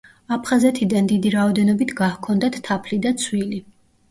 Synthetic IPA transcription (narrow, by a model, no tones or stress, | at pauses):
apʰχazɛt̪ʰid̪and̪id̪iɾaɔd̪ɛnɔbit̪ʰɡahkʰɔnd̪at̪ʰt̪ʰːapʰlid̪at̪sʰwili